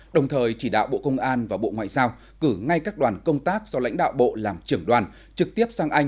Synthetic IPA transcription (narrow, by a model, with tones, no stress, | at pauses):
ɗə˨˩wŋ͡mt̪ʰəː˨˩jt͡ɕi˧˩ɗa̰ː˧˨wɓo̰˧˨kə˧wŋ͡mʔaː˧nvaː˨˩ɓo̰˧˨ŋwa̰ː˧˨jzaː˧w | kɨ˧˩ŋa˧jkaː˦˥k̚ɗwaː˨˩nkə˧wŋ͡mt̪aː˦˥k̚zɔ˧la̰˧˥jŋ̟ɗa̰ː˧˨wɓo̰˧˨laː˨˩mt͡ɕɨ˧˩əŋɗwaː˨˩n | t͡ɕɨ˨˩k̚t̪i˦˥əp̚saː˧ŋʔa˧jŋ̟